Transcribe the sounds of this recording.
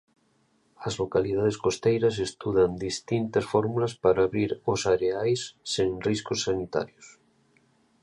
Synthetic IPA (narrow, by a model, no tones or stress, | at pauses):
ɐzlokaliðað̞eskost̪ejɾɐs̬est̪uðand̪ist̪int̪ɐsfɔɾmulaspaɾaːβɾiɾosaɾeajsːeŋriskosːanit̪a̰ɾjos